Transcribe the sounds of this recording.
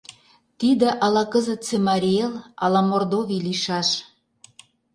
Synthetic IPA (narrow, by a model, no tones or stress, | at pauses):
t̪id̪ĕʔɑlɑkəzət̪̚t͡semɑɾʲielɑlɑmord̪oviliʃɑʃ